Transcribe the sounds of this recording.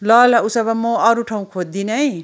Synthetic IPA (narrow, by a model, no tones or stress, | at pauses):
lʌlausʌbʌmoʌɾuʈʰaw̃kʰod̚d̪inʌj